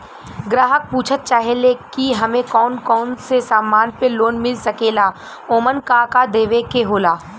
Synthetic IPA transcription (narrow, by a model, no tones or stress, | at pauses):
ɡɾaːɦək̚puːt͡ʃʰət̪̚t͡ʃaːɦelekiɦɐmẽkɔːnkɔːnsesaːmːaːnpeloːnmɪlsɐkeːla | oːmənkakad̪eːʋekeɦoːlaː